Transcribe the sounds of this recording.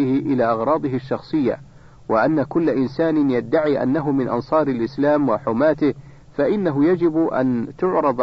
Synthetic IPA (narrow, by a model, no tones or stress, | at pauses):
ɪhɪʔɪlaːʔɑɣɾˤɑːd̪ˤɨɦɪʃːɑxsˤɨjːa̰ | waʔanːakʊlːaʔɪnsaːnɪnjad̪ːaʕiːʔa̰nːaɦʊmɪnʔɑ̰nsˤɑːɾalʔɪslaːmwaħʊmaːt̪ɪh | faʔɪnːaɦʊjad͡ʒɪbʔa̰nt̪ʊʕɾɑd̪ˤ